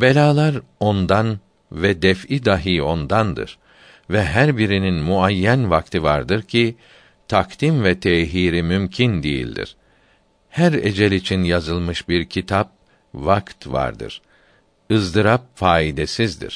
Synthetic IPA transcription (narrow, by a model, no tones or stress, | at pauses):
belʲaːlˠaɾo̞nd̪an | vɛd̪ɛfid̪aɦiːo̞nd̪and̪ɯ̰ɾ̥ | vɛɦæɾbiɾininmuajːænvak̚t̪ʰɯva̰ɾd̪ɯɾcʰi | t̪ʰak̚t̪imvɛt̪ʰeːɦiːɾimymcʰind̪ejḭlʲd̪ḭɾ̥ | hæɾḛd͡ʒɛlʲit͡ʃʰinjazɯlˠmɯʃbiɾcʰit̪ʰap̚ | vakt̪va̰ɾd̪ɯ̰ɾ̥ | ɯzd̪ɯɾap̚faːid̪esizd̪ḭɾ̥